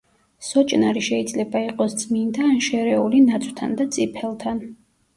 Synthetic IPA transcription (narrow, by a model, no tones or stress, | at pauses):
sɔt͡ʃʼnaɾiʃɛid̪zlɛbaiqʼɔsd̪z̥mind̪aːnʃɛɾɛulinat̪sʼwt̪ʰa̰nd̪at̪sʼipʰɛlˠt̪ʰan